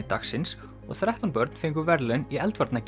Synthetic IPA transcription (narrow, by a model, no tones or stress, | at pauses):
ɪt̪a̰xsɪns | ɔ̰ɣθɾɛht̪anpœɾt̪nfeŋkʏvɛɾlʏniɛlt̪vaɾt̪nac